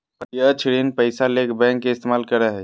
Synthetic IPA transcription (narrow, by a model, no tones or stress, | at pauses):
pəjət͡ʃʰɾenpəɪsalekʰbɛ̃ŋkːeɪst̪emaːlkəɾəɦɛ